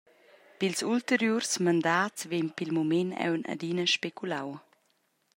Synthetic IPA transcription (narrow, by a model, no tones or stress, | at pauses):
pilsult̪əɾjursmand̪aːt͡svenpilmumenɛ̰wna̰d̪inəʃpekʰulaw